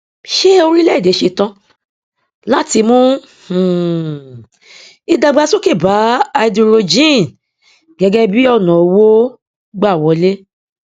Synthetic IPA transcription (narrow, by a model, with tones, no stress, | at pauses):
ʃe˦o˧ɾi˦lɛ˦˨de˨˦ʃe˧tã˦ | la˦ti˧mũ˦ | h̩˨ | i˧da˧ɡ͡ba˧so˦ki˦˨ba˨˦a˧do˧ɾo˧d͡ʒĩ˦˨n | ɡɛ˨˧ɡɛ˦bi˦ɔ˦˨nɔ̃˨o˨˧˦wo˦ | ɡ͡ba˦˨wɔ˨˦le˦